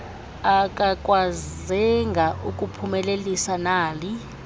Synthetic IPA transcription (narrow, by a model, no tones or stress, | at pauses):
akʼakʼwazɛŋɡʱaʔuk̬ʼupʰumɛlelisanaːli